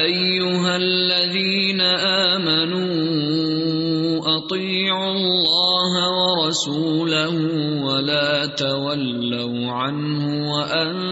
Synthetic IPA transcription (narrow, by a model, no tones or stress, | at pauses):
ʔajːʊɦalːaðiːnaʔaːmanuː | ʔɑt̪ˤiːʕʊlːɑːɦawɑɾˤɑsuːlahʊ | walaːt̪awalːaw | ʕan | hʊwaʔan